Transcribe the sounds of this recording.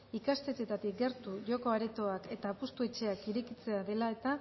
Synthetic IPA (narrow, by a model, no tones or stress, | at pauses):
ikast̪e̞t̪e̞t̪at̪ik̚ɡe̞ɾt̪uʝo̞ko̞aɾe̞t̪o̞ake̞t̪aːpust̪ue̞t͡ʃe̞akiɾekit͡se̞aðe̞lae̞t̪a